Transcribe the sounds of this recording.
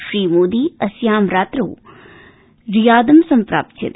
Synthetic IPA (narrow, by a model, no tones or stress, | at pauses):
ʃɾiːmoːd̪iːɐsjaːmɾaːt̪ɾo̰ː | ɾijaːd̪ɐmsɐmpɾa̰ːp̚t̪ʰjɐ̰d̪